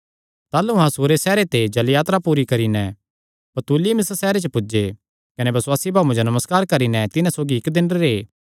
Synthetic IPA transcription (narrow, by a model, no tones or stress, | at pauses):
t̪aːlũɦãsuːɾesɛːɾet̪ed͡ʒɐljaːt̪ɾapuːɾikɐɾinɛ̃ | pɐt̪uːlimɪssɛːɾet͡ʃəpʊd͡ʒe | kɐnebɐswaːsibʱaːũd͡ʒonɐməskaːɾkɐɾinɛ̃t̪ɪnãsoːɡiɪkd̪ɪnɾeɾeː